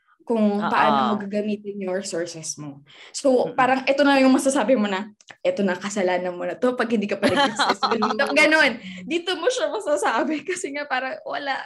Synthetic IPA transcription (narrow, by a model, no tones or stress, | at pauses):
kʊŋpɐʔaːnomɐɡaɡɐmiːt̪ɪnjʊŋɹɛsoɹsɛsmo | sowpaːɾɐŋʔɛt̪o̞nɐjʊŋmɐsɐsaːbɪmo̞nɐʔɛt̪o̞nɐkɐsɐlaːnɐnmonɐt̪o̞pɐɡ̚hɪnd̪iːkɐpɐɪisɐsɐɡɐniːt̪oɡɐno̞nd̪iːt̪omoʃɐmɐsɐsaːbɪkɐsɛŋapaːɾɐŋwɐ̰laʔ